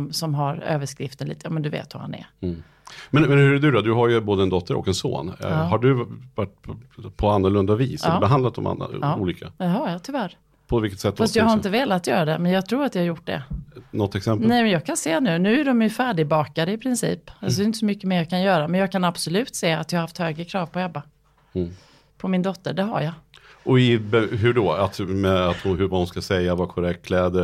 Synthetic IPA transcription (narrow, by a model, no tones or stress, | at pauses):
msɔmɦaɾø̰ːvəʂkɾɪft̪ənlḭːt̪əjɑ̰ːmɛnd̪ɵvḛːt̪va̰ha̰nɛ̰ɾ | mɛnmɛnhɵɾɛɖɵd̪ɔd̪ɵɦajɵboːd̪əɛnd̪ɔt̪ʰːəɾɔ̰kɛnso̰ːnɦaɖɵvaʈ̚ːʰpʰɔanːʊɭɵnd̪avḭːsːbɛɦand̪at̪d̪ɔ̰ma̰na̰ːuːliːkʰaɛhajɑt̪ʰʏvæɾ | pʰɔvɪlkət̪sɛt̪ːfast̪jɑɡɦhaɾɪnt̪əveːlat̪jœ̰ːɾad̪ɛmɛnjɑːɡt̪ʰɾuːɾat̪jɑhajʊʈ̚ːɖɛ̰nɔt̪ːɛksɛmpnɛjmɛnjɑːɡkʰanseːnʉ̟ːnʉ̟ːæɖɔmjɵfæːɖɪbɑːkad̪əɪpʰɾɪnsḭːpalsɔdɛjʏnt̪ə̥sɔmʏkːəmeːɾjɑːkʰanjœːɾamɛnjɑːɡ̚kʰanab̥sɔlʉ̟ːt̪seːat̪jɑhaɾhaft̪høːɡɾəkʰɾɑːvpʰɔɛbːa | pʰɔmɪnd̪ɔt̪ːəɖɛɦa̰ɾjaʔɔɪbɛɦʉɖɔa̰t̪mɛat̪hʊɦɵɾvaːʊnskasɛjːavakʰɔɾɛkt̪kʰlɛːd̪ə